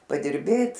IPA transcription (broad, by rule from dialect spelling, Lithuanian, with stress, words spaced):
pɐdʲɪrʲˈbʲeːt